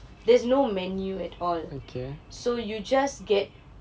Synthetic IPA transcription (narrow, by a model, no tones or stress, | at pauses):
dɛsnomɛnjuɛtʰɔlokʰesojud͡ʒasɡɛt̚